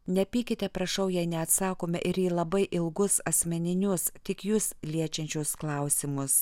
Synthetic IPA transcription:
nʲɛpʲiːkʲɪt̪ʲɛpɾɐʃɐʊjɛɪnʲɛɐt̪sɑːkoːmʲɛʔɪɾjiːlˠɐbɐɪʔɪlˠɡʊsɐsʲmʲɛnʲɪnʲʊst̪ʲɪkjuːslʲiɛt͡ʃʲɛnʲt͡ʃʲɛːsklˠɐʊsʲɪmʊs

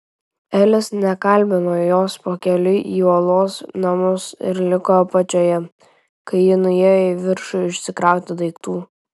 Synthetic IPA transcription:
ɛlʲɪsnʲɛkɐlʲˑbʲɪnoːjoːspoːkʲɛlʲʊʔiːɔːlˠoːsnɐmʊsɪ̰ɾlʲɪkoːpɐt͡ʃʲoːjɛ | kɐɪɪnʊjejɪʋʲɪɾʃʊɪʃʲsʲɪkɾɑˑʊt̪ʲɪd̪ɐɪkt̪uː

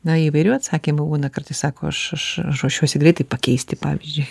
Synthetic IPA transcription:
nɐiːʋɐɪɾʲuːɐt̪sɑːkʲimʊbuːnɐkɐrt̪ɐɪsɑːkoːɐʃɐʃɐoɔʃʲuɔsʲɪɡɾɛɪt̪ɐɪpɐkʲɛɪsʲt̪ʲɪpɑːʋʲizʲd͡ʒʲʊɪ

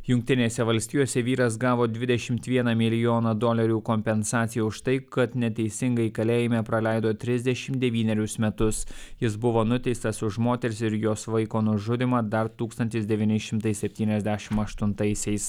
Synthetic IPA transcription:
jʊŋk̚t̪ʲɪnʲeːsʲɛʋɐlʲsʲt̪ʲiːjoːsʲɛʋʲiːɾɐs̬ɡɑːʋoːd̪ʲʋʲɪd̪ʲɛʃʲɪmt̪ʋʲiɛnɐmʲɪlʲɪjoːnɐd̪oːlʲɐɾʲuːkɔmʲpʲɛnsɑːt̪sʲɪjuʊʃt̪ɐɪkɐt̪nʲɛt̪ʲɛɪsʲɪŋɡɐɪkɐlʲeːjɪmʲepɾɐlʲæˑɪd̪oːt̪ʲɾʲɪzʲd̪ʲɛʃʲɪmt̪d̪ʲɛʋʲiːnʲɛɾʲʊsmʲɛt̪ʊsjɪs̬bʊʋoːnʊt̪ʲɛɪst̪ɐsʊʃmoːt̪ʲɛɾʲɪsɪɾjoːsʋɐɪkoːnʊʒʊd̪ʲɪmɑːd̪ɐɾt̪uːkst̪ɐnʲt̪ʲɪsd̪ʲɛʋʲiːnʲɪʃʲɪmt̪ɐɪsʲɛpʲt̪ʲiːnʲɛzʲd̪ʲæʃʲɪmɐʃt̪ʊnt̪ɐɪsʲɛɪs

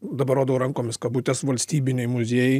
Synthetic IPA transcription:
d̪ɐbɐɾoːd̪ɐʋɐɾɐŋkoːmʲɪskɐt̪buːt̪ʲɛsʋɐlʲsʲt̪ʲiːbʲɪnʲɛjmʊzʲeːjɛɪ

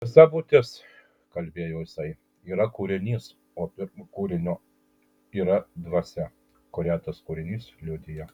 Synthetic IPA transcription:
sɑbuːt̪ʲɪs | kɐlʲbʲeːjoʊjɪsɐɪ | iːɾɐkuːɾʲɪnʲiːs | oːpʲɪɾmkuːɾʲɪnʲoː | iːɾɐd̪ʋɐsʲɛ | koɾʲæːt̪ɐskuːɾʲɪnʲiːslʲʊd̪ʲɪjɛ

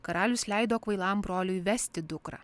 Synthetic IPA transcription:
kɐɾɑːlʲʊslʲæˑɪd̪oːkʋɐɪlˠɐmbɾoːlʲʊjʋʲɛsʲt̪ʲɪd̪ʊkɾɑ̰ː

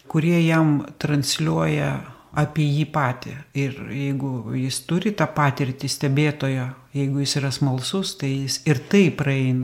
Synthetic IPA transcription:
kʊɾʲiɛjɛmt̪ɾɐnʲsʲlʲuɔjɛ | ɐːpʲiɛjiːpɑːt̪ʲɪ̰ɪrjɛɪɡʊjɪst̪ʊɾʲɪt̪ɑːpɑːt̪ʲɪɾʲt̪ʲɪsʲt̪ʲɛbʲeːt̪oːjoː | jɛɪɡʊjɪsiːɾɐsmɐlˠsʊst̪ɐɪjɪsɪrt̪ɐɪprɐɛɪnɐ

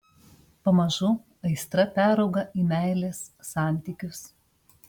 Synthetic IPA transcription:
pɐmɐʒʊ | ɐɪst̪ɾɐpʲæːɾɒʊɡɐʔiːmʲæˑɪlʲeːsːɑˑnʲt̪ʲikʲʊs

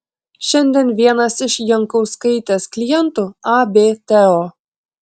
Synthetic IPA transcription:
ʃʲɛnʲd̪ʲɛnʋʲiɛnɐsɪʃjɛŋkɐʊskɐɪt̪ʲesklʲɪjɛnt̪uɑbʲeːt̪ʲeo

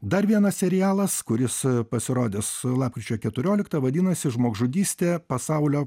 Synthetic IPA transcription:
d̪ɐɾʋʲiɛnɐssʲɛɾʲɪjæːlˠɐskʊɾʲɪspɐsʲɪɾoːd̪ʲɪslˠɑːp̚kʲɾʲɪt͡ʃʲoːkʲɛt̪ʊɾʲoːlʲɪkt̪ɐʋɐd̪ʲiːnɐsʲɪʒmoːɡʒʊd̪ʲiːsʲt̪ʲeːpɐsɐʊlʲoː

